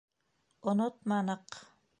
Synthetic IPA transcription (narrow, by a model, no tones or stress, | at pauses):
onot̪̚mɑnɤq